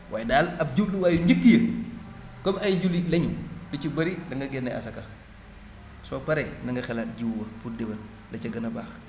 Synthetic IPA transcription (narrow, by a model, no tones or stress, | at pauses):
wʔaːjdaːlɐb̚ɟubɗuwaːjuɲɟəkːijə | kɔbɐjɟulilɛɲudicubɐɾidɐŋɡɐɡɛnːɛʔɐ̰sɐka | sɔːpɐɾɛnɐŋɡɐxɛlaːt̚ɟiwwɐpudewɐn | lɐcɐɡɐnɐbaːx